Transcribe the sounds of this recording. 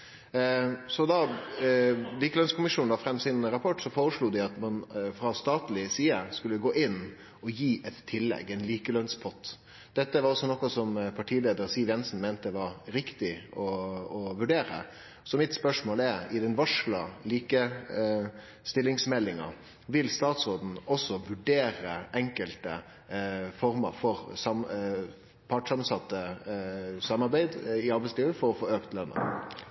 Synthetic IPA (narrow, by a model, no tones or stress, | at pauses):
sɔd̪ɑ | liːkəlœnskʰʊmɪʂuːnd̪ɑfɾɛmːsɪnɾɑpʰɔʈːsɔfoːɾəʂɭuːd̪ɪɑt̪mɑnfɾɑst̪ɑːt̪lɪsiːəskʉlːəɡoːʔɪnː | ɔjiːʔɛt̪ʰːɪlːɛ̰ɡɛnliːkəlœnspʰɔt̪ː | d̪̥ɛt̪ːəʋɑɾɔsːɔnɔkːɔsɔmpʰɑʈʰiːleːd̪əɾsiːʋjɛnsn̩mɛɪnt̪əʋɑɾɾɪkt̪ɪɔːʋʉɖeːɾə̰ | sɔmɪt̪spœʂmoːlɛɾɪd̪ɛnʋɑʂlɑliːkə | st̪ɪlːɪŋsmɛlːɪŋɑ̰ | ʋɪlst̪ɑːt̪sɾoːd̪n̩ɔsːɔʋʉɖeːɾəɛŋkəlt̪ə | fɔɾmɑ̰fɔɾsɑm | pʰɑʈsɑmənsɑt̪ːə | sɑmːɑɾbæɪd̪ɪɑɾbæɪsliːʋəfɔɾɔfoːøːkt̪lœnːə̰